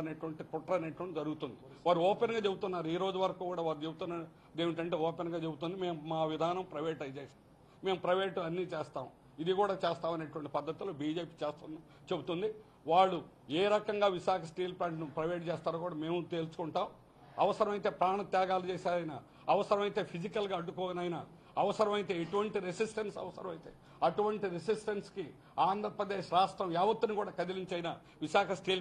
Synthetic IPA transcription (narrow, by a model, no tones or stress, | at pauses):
ɐneːʈuʋɐɳʈikuʈɾɐneːʈuɐɳʈid͡ʒɐɾuɡut̪und̪i | ʋaːɾuɔːpenɡaːt͡ʃebut̪unːaːɾuiːɾo̞ːd͡ʒuʋɐɾɐkuːkuːɽaːʋaːɾut͡ʃebut̪unːa | d̪eːʋiʈ̬ɐɳʈe̞ːɔːpenɡaːt͡ʃe̞but̪und̪ime̞ːmmaːʋid̪ʱaːnɐmpɾɐjʋeːʈɐjd͡ʒeːs | me̞ːmupɾɐjʋeːʈɐnːiːt͡ʃeːst̪aːm | id̪ikuːɽaːt͡ʃeːst̪aːmɐneːʈuʋɐɳʈi̥pɐd̪ːɐt̪iloːbiːd͡ʒeːpiːt͡ʃeːst̪un | t͡ʃe̞but̪und̪i | ʋaːɭːu | eːɾɐkɐŋɡaːʋiʃaːkʰɐsʈiːlplaːɳʈnupɾɐʋeːʈ̚t͡ʃɛːst̪aːɾokuːɽaːme̞ːmut̪e̞ːlusu̥kuɳʈaːm | ɐʋɐsɐɾɐmɐjit̪e̞ːpɾaːɳɐt̪jaːɡaːlut͡ʃeːsaːɾɐjinɐ̰ | ɐʋɐsɐɾɐmɐjt̪e̞ːpʰid͡ʒikɐlɡaːɐɖːukɔːnɐjnɐ | ɐʋɐsɐɾɐmɐjit̪e̞ːeʈuʋɐɳʈiɾesisʈɐnsɐ̰ʋɐsɐ̰ɾɐmɐjit̪eː | ɐʈuʋɐɳʈiɾesisʈɐnski | aːnd̪ʱɾɐpɾɐd̪e̞ːʃɾaːsʈɾɐmjaːʋɐt̪ːunikuːɽaːkɐd̪iliɲt͡ʃɐjna | ʋiʃaːkɐsʈiːl